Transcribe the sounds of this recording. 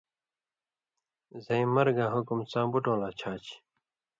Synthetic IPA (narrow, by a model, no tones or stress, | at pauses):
zɐĩmɐɾɡaːɦukumt͡sãːbuʈõːlaːt͡ɕʰaːt͡ɕʰ